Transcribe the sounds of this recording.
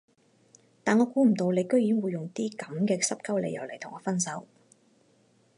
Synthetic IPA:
t̪aː˨nŋɔː˨˧kuː˨˥m̩˨˩t̪o˧wle˨˧jkɵ˥ɥjiː˨˥nwuː˨˧jːʊ˨ŋt̪iː˥kɐ˨˥mkɛː˧sɐ˥p̚kɐ˥wlḛ˨˧jɐ̰˨˩wle˨˩jtʰʊ˨˩ŋɔː˨˧fɐ˥nsɐ˨˥w

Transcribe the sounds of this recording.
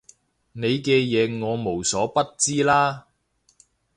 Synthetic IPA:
ne˨˧jkɛː˧jɛː˨˧ŋɔː˨˧mo˨˩wsɔː˨˥pɐ˥t̚t͡siː˥laː˥

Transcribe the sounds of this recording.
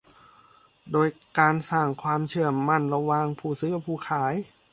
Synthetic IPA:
doː˧jkaː˧nsaː˧˩ŋkʰwaː˧mt͡ɕʰɯ˧˩əːa˧˥˩nla˧waː˧ŋpʰuː˧˩sɯː˧˥pʰuː˧˩kʰaː˩˦j

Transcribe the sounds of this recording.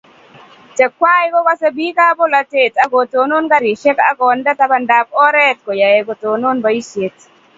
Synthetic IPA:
tɛ˨kːwa˦jkɔ˦ka˦se˦bi˦ka˦bo˦la˦te˦˨ta˦ɡo˨to˨˦no˦nka˦ɾe˨ʃe˦ka̰˦ɡɔ˨nda˦ta˦ba˦˨nda˨p̚ɔ˦ɾɛ˦tko˨ja˨je˨ɡo˨to˨no˦nba˨i˦sje˨t

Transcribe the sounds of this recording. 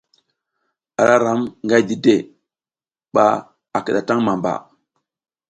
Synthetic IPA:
a˨ɾa˦ɾa˨˦mŋɡa˦jdi˦de˦˨ | ɓa˨ | a˨ki˨ɗa˨ta˦ŋma˨mba̰˨

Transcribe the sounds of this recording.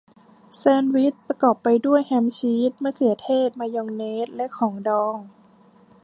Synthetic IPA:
sɛː˧nwi˦˥t̪̚pɾa˧kɔː˨˩pːa˧jdu˥˩əjhɛ˦˥mt͡ɕʰiː˦˥t̪̚mɯ˥˩ɐkʰɯ˨˩ət̪ʰeː˥˩t̪̚maː˧joː˧ŋneː˦˥t̪̚lɛ˦˥ʔkʰɔː˩˦ŋdɔː˧ŋ

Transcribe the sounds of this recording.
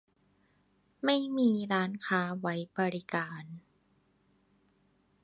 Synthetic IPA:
ma˥˩jmiː˧ɾaː˦˥nkʰaː˦˥wa˦˥jbɔ˧ɾi˦˥kaː˨n

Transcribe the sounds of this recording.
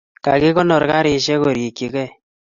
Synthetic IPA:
ka˨kɪ˦kɔ˦nɔ˨ɾka˦ɾɪ˨ʃɛ˦ko˨ɾje˨kːi˨kɛ˦˨

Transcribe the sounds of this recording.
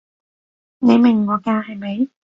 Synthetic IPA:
ne˨˧jmɪ˨˩ŋːɔː˨˧kaː˧hɐ˨jmɐ˨˧˦j

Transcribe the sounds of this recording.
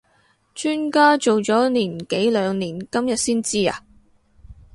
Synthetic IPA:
t͡ʃyː˥nkaː˥t͡ʃo˨wt͡sɔː˨˥niː˨˩nke˨˥jlœː˨˧ŋniː˨˩nkɐ˥mjɐ˨t̚siː˥nt͡siː˥a̰ː˨˧

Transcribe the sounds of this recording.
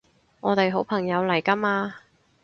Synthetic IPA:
ŋɔː˨˧t̪e˨jɦo˨˥wpʰɐ˨˩ŋjɐ˨˧wlɐ˨˩jkɐ˥maː˧

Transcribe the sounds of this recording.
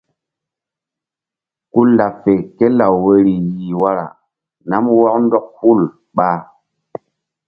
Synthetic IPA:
ku˦la˨fe˨ke˦la˨wwe˦ɾi˨ji˨wa˦ɾa̰˨ | na˦mwɔ˦kndɔ˦k̚hu˦˨l | ɓa˦

